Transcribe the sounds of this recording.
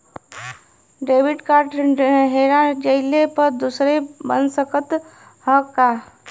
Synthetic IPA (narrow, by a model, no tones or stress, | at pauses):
ɖeːʋɪʈkaːɾʈɦeːɾãd͡ʒəɪlepəɾd̪usɾebə̰nsəkət̪ | hə̃ka